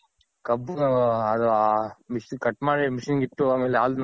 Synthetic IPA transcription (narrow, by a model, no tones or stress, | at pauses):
kɐbːuɐd̪ɐamiʂinkɐʈːmaːɽimiʂinɡiʈːuaːmeːleaːld̪n